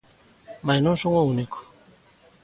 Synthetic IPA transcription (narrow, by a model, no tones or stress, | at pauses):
majnonsoŋouniko̥